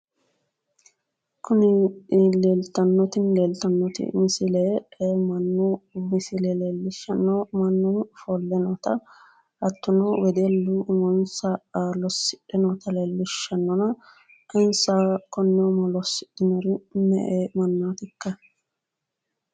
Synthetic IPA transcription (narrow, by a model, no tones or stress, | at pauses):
kʊnɪleːlt̪ɐnːɔt̪ɪnleːlt̪ɐnːɔt̪ɪ̰mɪsɪleemɐnːʊmɪsɪlɛleːlːɪʃːɐnːɔmɐnːʊfɔlːɛnɔt̪ɐ | ʔɐt̪ːʊnɔwɛd̪elːʊmɔnsɐlɔsːɪʔɛnɔt̪ɐleːlːɪʃːɐnːɔnɐ | ɐɪnsakɔnːɛmɐlɔsːɪᶑɪnɐɾɪnɛ̰ʔemɐnːaːt̪ɪkːɐ